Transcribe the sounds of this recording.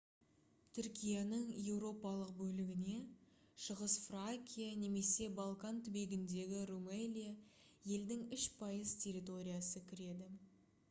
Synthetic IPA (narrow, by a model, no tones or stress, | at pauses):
t̪ʰʏɾkʲijanəɴje̞wɾo̞pɑlˠəq̚bɵlɪɡʲɪne̞ | ʃəʁəsfraŋkʲijane̞me̞se̞balˠkant̪ʰʏbe̞ɡʲɪnd̪e̞ɡʲɪrumelʲija | je̞ld̪ɪŋʏʃpʰɑjəzt̪ʲʰe̞ɾʲit̪o̞ɾʲijasəkʲʰɪɾe̞d̪ɪ